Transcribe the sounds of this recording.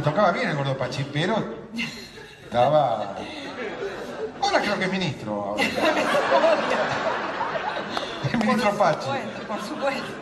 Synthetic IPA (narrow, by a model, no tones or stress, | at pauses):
t̪okavaβjeneɣɔɾðopat͡ʃipeɾo | t̪ava | oɾakɾeokeminist̪ɾoa̰o | eminist̪ɾopat͡ʃi | supwe